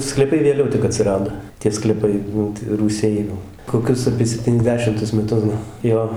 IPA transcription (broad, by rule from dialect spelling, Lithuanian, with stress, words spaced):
sklʲiːˈpɐɪ ʋʲeːˈlʲɛʊ tʲɪk ɐtʲsʲɪˈrɑːdoː tʲiɛ sklʲɛˈpɐɪ ˈnʊ tɐ ruːˈsʲɛɪ ˈnʊ koːˈkʲʊs ɐpʲiɛ sʲɛpʲtʲiːnʲɛzʲˈdʲæːʃʲɪmtʊs mʲɛˈtʊs ɡɐlˠ ˈjoː